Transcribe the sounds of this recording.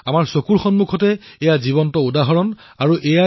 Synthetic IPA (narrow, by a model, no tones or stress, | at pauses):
amaɹsokuɹxɔnmukʰɔtɛɛjazibɔntɔudaɦɔɹɔn | aɹuʔɛja